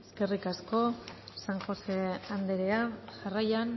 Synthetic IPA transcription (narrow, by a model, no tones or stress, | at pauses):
eske̞rikasko̞saŋxo̞se̞and̪eɾeaʝarajan